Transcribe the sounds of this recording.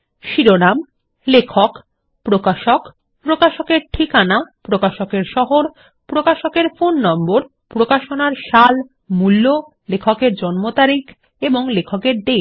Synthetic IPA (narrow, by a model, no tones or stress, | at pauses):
ʃiɾonam | lekʰok | pɾokaʃok | pɾokaʃokeɾʈʰikanapɾokaʃokeɾʃɔɦoɾ | pɾokaʃokeɾfonːɔmboɾ | pɾokaʃonaɾʃal | mulːo | lekʰokeɾd͡ʑɔnmot̪aɾik | eboŋlekʰokeɾɖ̪e